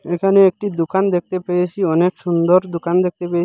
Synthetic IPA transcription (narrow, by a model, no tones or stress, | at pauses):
ekʰaneek̚ʈid̪okand̪ek̚ʰt̪epeet͡ʃʰiɔnekʃund̪oɾd̪okand̪ek̚t̪epeei